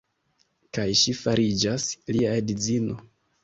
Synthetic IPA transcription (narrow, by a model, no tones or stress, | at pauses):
kajʃifaɾid͡ʒasliadizino̞